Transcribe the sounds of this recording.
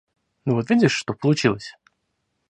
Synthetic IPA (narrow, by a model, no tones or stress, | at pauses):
nuvot̪vʲidʲɪʂʂt̪opəlˠʊt͡ɕilˠəsʲ